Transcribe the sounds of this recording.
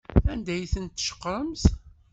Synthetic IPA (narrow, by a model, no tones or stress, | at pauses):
ænd̪æjθənt̪ːʃə̥qːɾˤəmθ